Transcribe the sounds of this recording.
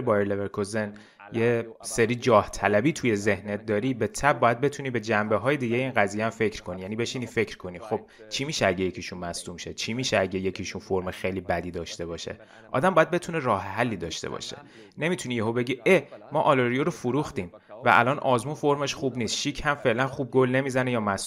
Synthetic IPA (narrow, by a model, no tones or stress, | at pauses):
bɒːjeɾleveɾkʰozen | jeseɾiːd͡ʒɒːht̪ʰælæbiːt̪ʰuje̞ze̞hnet̪̚d̪ɒːɾiːbe̞t̪ʰæb̚bːɒːjæd̪̚be̞t̪ʰuniːbe̞d͡ʒæmbeɦɒːjed̪iːɟejeiːnɡæzijeæmfe̞cʰɾkʰo̞nijæniːbe̞ʃiniːfe̞cʰɾkʰo̞niːxo̞b̥̚ | t͡ʃʰimiːʃeæɟejecʰiʃunmæsd̪umʃet͡ʃʰimiːʃeæɟeje̞cʰiʃunfoɾmexejliːbæd̪iːd̪ɒːʃt̪e̞bɒːʃe̞̰ | ʔɒ̰ːd̪æmbɒːjæd̪̚be̞t̪ʰunerɒːɦeɦælːiːd̪ɒ̰ːʃt̪ḛbɒ̰ʃḛ | ne̞mit̪ʰunijeɦobe̞ɟiːemɒːʔɒloɾijoɾofuɾuxt̪iːmvæ̰ʔæ̰lɒːnʔɒːzmunfo̞ɾme̞ʃχuːbniːst̪ʃiːcʰhæmfe̞ʔlænχuːb̚ɡo̞lne̞miːzænejɒːmæs